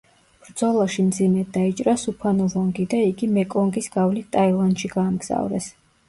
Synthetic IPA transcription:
b̥ɾd̪zɔlˠaʃimd̪zimɛd̪ait͡ʃʼɾasupʰanɔvɔŋɡid̪aiɡimɛkʼɔŋɡisɡavlit̪ʼailˠand̪ʃiɡaːmɡz̥a̰vɾɛ̰s

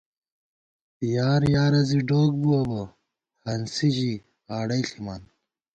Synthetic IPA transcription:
ijaːɾjaːɾɐziɖoːk̚buɐbɐ | hɐnsiʑi | aːɽɐiɬiman

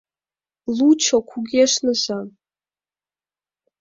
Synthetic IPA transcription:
lut͡ʃʰokʷʰuɡʲiaʂnɨzʷan

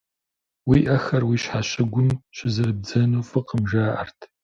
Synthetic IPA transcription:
wiːʔɐxɐrwiːɕħaɕɪɡʷʊmɕɪzɨrɨb̚d͡zɐnuːfɨqəmʒaːʔɐ̰rtʰ

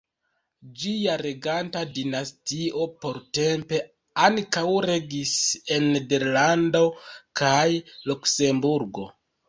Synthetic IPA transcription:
d͡ʒiaɾe̞ɡantadinastiʔo̞po̞ɾte̞mpe̞ | aŋkawɾe̞ɡise̞nːede̞ɾlando̞kʰajlukse̞mbuɾɡo̞

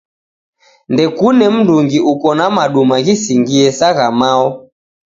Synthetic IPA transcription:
ndɛkunɛm̩nduŋɡiʔukɔnamaɗumaɣisiŋɡiɛsaɣamaɔ

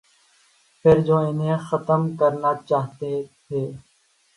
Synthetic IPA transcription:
pʰɪɾd͡ʒoːɪnɦẽxət̪əmkəɾnaːt͡ʃaːɦt̪et̪ʰeː

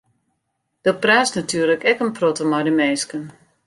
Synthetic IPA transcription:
d̥əpraːsnatyːrləkɛkənprotəmɔjdəmeːskən

